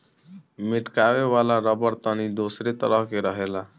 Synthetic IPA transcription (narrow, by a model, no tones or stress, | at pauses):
miʈkaweʋalaɾəbəɾt̪ənid̪osɾet̪əɾəɦkeɾəɦela